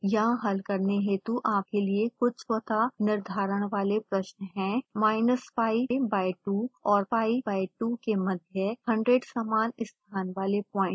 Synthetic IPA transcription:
jɐɦãɦɐlkɐɾneɦẽt̪uʔaːp̚keliekʊt͡ʃswɐt̪anɪɾd̪ʱaːɾəɽ̃ʋaːlepɾɐʃnɦɛ̃ːmaːɪnəspaːibaːɪʈuɔːɾpaːibaːiʈukemɐd̪ʱjəhɐ̃ɳɖɾeːɖsaːmaːnɪst̪ʰaːnʋaːlepɔ̃ːɪ̃ʈ

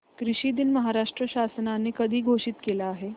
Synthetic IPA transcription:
kɾiɕiːd̪inməɦaɾaʂʈɾəɕasnanːeːkəd̪ʱiːɡʱoɕit̪kelaːɦe

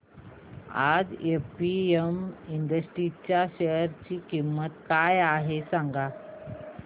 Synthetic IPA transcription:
a̰d͡zepiemiɳɖəsʈɾit͡ɕjaɕeəɾt͡ɕiːkimːət̪kajaɦesãŋɡa

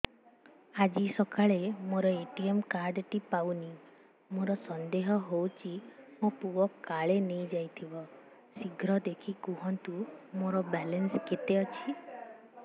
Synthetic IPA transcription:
ad͡ʒisɔkaɭemoɾɔeʈiemkaɾɖʈipawni | moɾɔsɔnd̪eɦɔɦowt͡ʃʰimopuɔkaɭenejd͡ʒajt̪ʰibɔ | siɡʱɾɔd̪ekʰikuɦɔnt̪umoɾɔbɛlensket̪eɔt͡ʃʰi

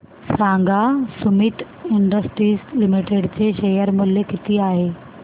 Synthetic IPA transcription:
sãːŋɡasʊmɪʈ | ɪɳɖəsʈɾiːslɪmiʈeɖt͡ɕeʃejəɾmʊljekɪt̪iaːɦeː

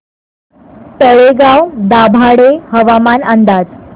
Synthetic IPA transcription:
t̪əɭeɡawd̪abʱaɽehəʋamanand̪ad͡z

